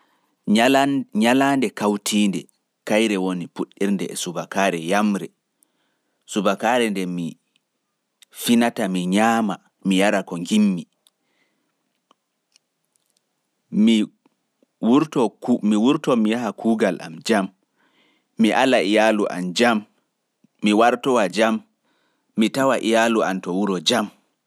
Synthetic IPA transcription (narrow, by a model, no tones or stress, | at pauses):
ɲalandɛkawtʰiːndɛ̰ | kajɾɛwonipuɗːiɾndɛɛsubakaːɾɛjamɾɛ | subakaːɾɛndɛmi | finatamiɲaːma | mijaɾakɔŋɡimːi | i | wuɾtɔmiwuɾtɔmijaɦakʰuːɡalʔa̰md͡ʒamː | iʔalaijaluʔa̰nd͡ʒamː | iwaɾtɔwad͡ʒamː | itawaʔijalua̰ntɔwuɾɔd͡ʒam